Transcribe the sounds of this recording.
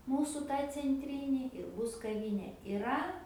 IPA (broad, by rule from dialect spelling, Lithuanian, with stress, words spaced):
ˈmuːsʊ ˈtɑː t͡sʲɛnʲˈtʲrʲiːnʲɪ ɪr ˈbʊs kɐˈʋʲiːnʲeː ɪˈrɐ